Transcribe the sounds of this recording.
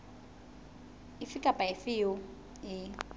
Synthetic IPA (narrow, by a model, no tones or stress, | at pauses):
ɪfɪkʼapʼaɪfɪjʊ | ɪ